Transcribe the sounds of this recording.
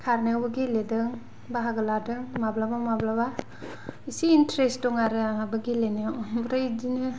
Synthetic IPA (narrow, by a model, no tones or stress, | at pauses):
kʰaɾneawbɯɡiledɯŋ | baɦaɡɯladɯŋmablabamablaba | isiːntɾesdɔŋaɾɯabɯɡileniwbɾajdinɯ